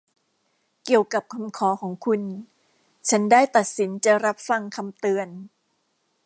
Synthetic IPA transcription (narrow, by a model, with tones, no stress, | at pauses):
ki˨˩əwka˨˩p̚kʰa˧mkʰɔː˩˦kʰɔː˩˦ŋkʰu˧n | t͡ɕʰa˦˥ndaː˥˩jt̪a˨˩t̪̚si˩˦nt͡ɕa˨˩ɾa˦˥p̚fa˧ŋkʰa˧mt̪ɯ˧ən